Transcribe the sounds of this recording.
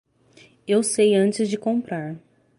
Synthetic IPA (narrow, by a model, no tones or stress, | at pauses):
ewsejɐ̃nt͡ʃɪzd͡ʒɪkõmpɾaɾ